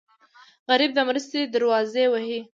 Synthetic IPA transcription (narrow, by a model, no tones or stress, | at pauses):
ɣaɾib̚d̪əmɾəst̪ed̪aɾwɑzewaɦi